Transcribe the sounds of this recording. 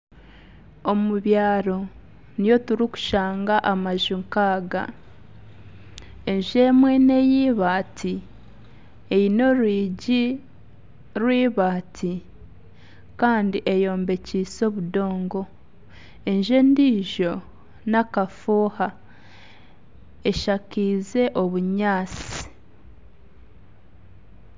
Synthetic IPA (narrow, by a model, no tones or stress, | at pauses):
omuβjaːɾo | nijo̞tuɾiku̥ʃaːŋɡaʔamaʒiŋkaːɡa̰ | e̞ɲʒemwene̞jiːβaːtʰi | ejino̞ɾwiːɟi | ɾwiːβaːtʰi | kaːndiʔejo̞ːmbe̞ciːso̞βudo̞ːŋɡo̞ | enʒe̞ndiːʒo̞ | nakafuːha | eʃakiːze̞ʔo̞βuɲaːt͡si̥